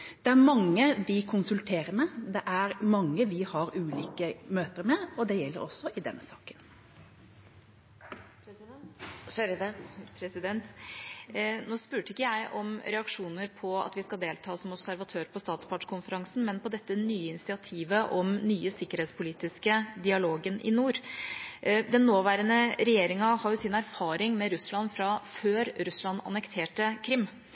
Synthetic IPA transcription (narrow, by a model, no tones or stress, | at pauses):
d̪̥ɛæɾmɑŋːəʋɪkʰʊnsʉlt̪ʰeːɾəɾmɛd̪ɛʔæɾmɑŋːəʋɪhɑɾʉːliːkəmøːt̪əɾmɛɔd̪ɛjɛlːə̰ɾɔsɔɪd̪ɛnːəsɑːkən | pʰɾɛsɪd̪ɛnt̪ | noːspʉːʈəɪkːəjæɪʔɔmɾɛɑkʂuːnəɾpʰɔɑ̰t̪ʋɪskɑld̪eːlt̪ʰɑːsɔmɔbsæɾʋɑt̪ʰøːɾpʰɔst̪ɑːt̪spʰɑʈʂkʰʊnfəɾɑŋsn̩mɛnpɔd̪ɛt̪ːənyːəɪnɪsɪɑt̪ʰiːʋəʔɔmnyːəsɪkːəɾheːt̪spʰʊliːt̪ɪskəd̪ɪɑloːɡənʔɪ̰nuːɾ | d̪ɛnːoːʋæːɾənəɾɛjeːɾɪŋɑhɑɾjʊsɪnæɾfɑːɾɪŋmɛɾʉslɑnfɾɑføːɾɾʉslɑnɑ̰nəkt̪ʰeːʈəkʰɾɪmː